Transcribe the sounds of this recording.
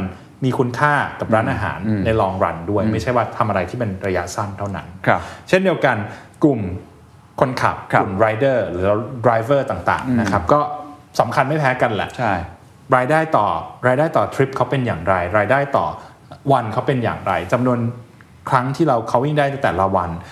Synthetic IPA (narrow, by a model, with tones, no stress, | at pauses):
n | miː˧kʰu˧˥nkʰaː˥˩ka˨˩p̚ɾaː˦˥nʔaː˧ɦa̰ː˩˦nːa˧jlɔː˧ŋɾa̰˧ndu˥˩əjma˥˩jt͡ɕʰa˥˩jwaː˥˩t̪ʰa˧mʔa˧ɾa˧jt̪ʰiː˥˩pe˧nɾa˧ja˦˥sa˥˩nt̪ʰa˥˩wna̰˦˥nʰ˧t͡ɕʰe˥˩ndi˧əwka˧n | ku˨˩m | kʰo˧nkʰa̰˨˩p̚kʰu˨˩mɾaː˧jdɤː˥˩ɾɯː˩˦dɾaː˧jvɤː˥˩t̪aː˨˩ŋt̪a̰ː˨˩ŋna˦˥knʰa˦˥p̚kɔː˥˩ | sa˩˦mkʰa˧nma˥˩jpʰɛː˦˥ka˧nlɛ̰˨˩ʔt͡ɕʰa˥˩ | ɾaː˧jdaː˥˩jt̪ɔː˨˩ɾaː˧jdaː˥˩jt̪ɔː˨˩t̪ʰɾi˦˥p̚kʰa˦˥wpe˧njaː˨˩ŋɾa˧jɾaː˧jdaː˥˩jt̪ɔ̰ː˨˩ | wa˧nkʰa˦˥wpe˧nja̰ː˨˩ŋɾa˧jt͡ɕa˧mnu˧ən | kʰɾa˦˥ŋt̪ʰiː˥˩ɾa˧wkʰa˦˥wi˥˩ŋdaː˥˩jt̪a˥˩t̪ɛː˨˩la˦˩wa˧n